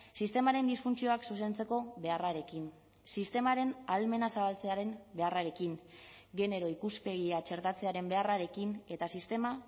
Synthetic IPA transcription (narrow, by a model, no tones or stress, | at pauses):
sist̪e̞maɾe̞nd̪isfunt͡sio̞aksuse̞nt͡se̞ko̞βe̞araɾe̞kin | sist̪e̞maɾe̞nalme̞nasaβalt͡se̞aɾe̞nbe̞araɾe̞kiŋ | ɡe̞ne̞ɾo̞ikuspe̞ɣ̞iat͡ʃe̞ɾt̪at͡se̞aɾe̞mbe̞araɾe̞kine̞t̪asist̪e̞ma